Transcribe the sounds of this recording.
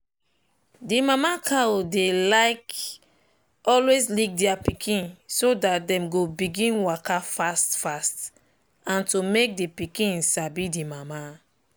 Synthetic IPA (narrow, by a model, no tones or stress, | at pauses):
dimamakʰaodelaɪk | ɔlweslik̚dɛapikʰĩnsodat̚dɛ̃mɡobiɡĩnwakafastfast | ãntumek̚dipikĩnsabidimama